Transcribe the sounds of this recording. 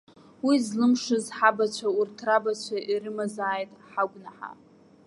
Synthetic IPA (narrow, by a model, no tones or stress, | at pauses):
wizlɨmʂɨzħabat͡ɕʷʰaurtʰrabat͡ɕʷʰaʔiɾɨmazaːjtʼħaɡʷʼnaħa̰